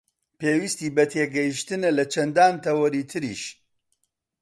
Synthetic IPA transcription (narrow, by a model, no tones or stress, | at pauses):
peːwist̪iːbɐt̪ʰeːɡɐjiʃt̪ɨnɐlɐt͡ʃʰɐnd̪aːnt̪ʰɐwɐɾiːt̪ʰɨɾḭːʃ